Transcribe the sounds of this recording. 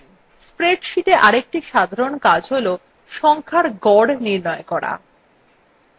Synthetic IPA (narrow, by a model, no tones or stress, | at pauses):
spɾeʈʃiʈeʔaɾek̚ʈiʃad̪ʱaɾonkad͡ʑɦolo | ʃɔŋkʰaɾɡɔɽniɾnɔekɔɾa̰